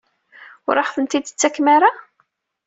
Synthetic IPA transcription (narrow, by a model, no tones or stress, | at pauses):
ʊ̰ɾˤəħθənt̪id̪t͡sːækːmaɾa